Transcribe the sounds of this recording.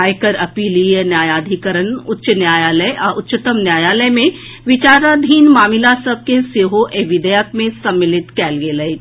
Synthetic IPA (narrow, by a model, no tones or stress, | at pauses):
aːjkəɾɐpiːliːjənjaːjaːd̪ʱikəɾənʊtːʃnjaːjaːləjaʔʊtːʃət̪əmnjaːjaːləjmẽ | ʋɪt͡ʃaːɾad̪ʱiːnmaːmɪlasɐb̚keseːɦoʔeʋɪd̪əjək̚mẽsɐ̃mːɪlɪt̪kɛːlɡeːləe